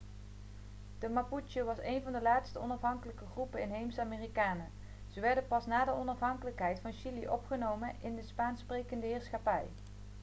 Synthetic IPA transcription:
d̥əmaput͡ʃoʋɑsejnvɑndəlaːtstəɔnɑfɦɑŋkələkəχrupəɪnɦejmsaːmeːrikaːnə | z̥əʋɛɹdənpɑsnaːdəɔnɑfɦɑŋkələkɦɛjtfɑnʃiliʔɔpχənowmənʔɪndəspaːnsprejkəndəɦɪːɹsχapɛj

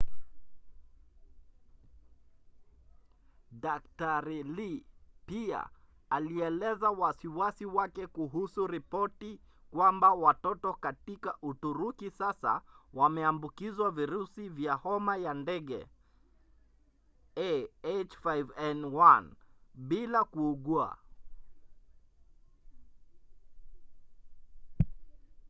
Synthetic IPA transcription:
dak̚taɾilipia̰ | aliɛlɛzawasiwasiwakɛkuɦusuɾipɔtikwambawatɔtɔkatikaʔutuɾukisasa̰wamɛambukizwaviɾusivjahɔmajandɛɠɛ̰ | ɛet͡ʃfajvɛnwanɓilakuːɠua̰

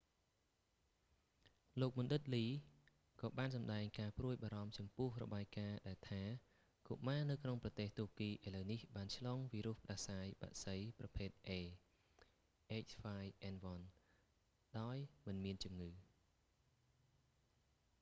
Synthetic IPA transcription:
loːk̚mŭnɗɨt̪̚liː | kɑːɓaːnsɑmɗaɛŋkaːpruəjɓaːɾɑmt͡ɕɑmpʊ̆əhrɔ̰ɓaːjkaːɗaɛlt̪ʰaː | kuʔmaːnɨwkʰnoŋprɑt̪eːht̪uəkiːʔaɔjləwnihɓaːnt͡ɕʰlɑːŋʋiːɾuəhpə̆ɗasaːjɓa̰ʔsəjprɑpʰeːt̪̚ʔeː | ʔeːc̚faːjʔɛnʋɑn | ɗaɔjmɨnmiənt͡ɕumŋɨː

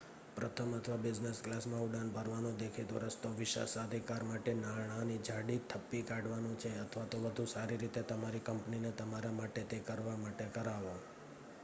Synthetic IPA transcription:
pɾət̪ʰəmət̪ʰʋabɪd͡ʒnesklasmãuɖanbʱəɾʋanõd̪ekʰid̪ʋə̰ɾəst̪oʋɪʃa̰sad̪ʱikaɾmaʈenaɳ̃anid͡ʒʱaɽit̪ʰəpːikaɖʋanõt͡ʃʰeət̪ʰʋat̪oʋəd̪ʱũsaɾiɾit̪et̪əmaɾikəmpninet̪əmaɾamaʈet̪ekəɾʋamaʈekəɾaʋo

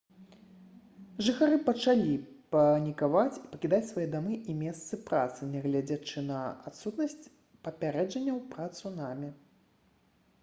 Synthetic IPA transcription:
ʐɨxaɾɨpɐt͡ʂalʲipɐnʲikavat͡sʲipɐkʲid̪at͡sʲsvajɛd̪amɨʔimʲɛst̪sɨpɾa̰t̪sɨnʲɛɣlʲad͡zʲat͡ʂɨnɐa̰t̪sut̪nɐsʲt͡sʲ | pɐpʲaɾɛd͡ʐɐnʲːɐwpɾat̪sunamʲɛ

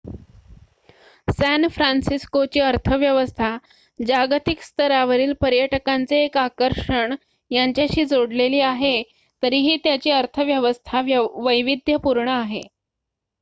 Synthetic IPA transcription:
sænfɾansiskot͡ɕiːəɾt̪ʰəʋjəʋəst̪ʰa | d͡ʑaɡt̪ikst̪ʰəɾaʋəɾiːlpəɾjəʈəkant͡seːkakəɾʂəɳ | jaɲt͡ɕjaɕiːd͡zoɽleliːaɦe | t̪əɾiːɦiːt̪jat͡ɕiːəɾt̪ʰəʋjəʋəst̪ʰaʋəjʋid̪ʱjəpuɾɳəaɦe

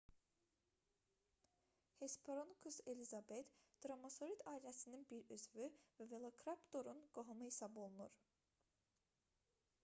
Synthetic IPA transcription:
hespʰoɾonkʰuselʲizabet̪d̪̥ɾamaso̞ɾit̪ʰaːilʲɛsininbiɾøzvyvævelˠokʰɾapt̪o̞ɾunɡ̥oɦamɯhisabolˠunuɾ̥

